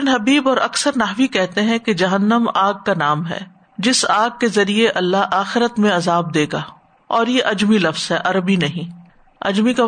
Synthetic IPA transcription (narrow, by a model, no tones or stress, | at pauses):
nɦɐbiːbɔːɾʔɐksəɾnɐɦʋikɛɦt̪eɦɛ̃ked͡ʒɐɦənːəmaːɡ̚kanaːmɦɛ̰ː | d͡ʒɪsaːɡ̚kezɐɾieʔɐlːaɦaːxɪɾət̪mẽɐzaːb̚d̪eːɡaː | ɔːɾjeʔɐd͡ʒmilɐfz̥ɦɛʔɐɾəbinɐɦĩː | ɐ̰d͡ʒmika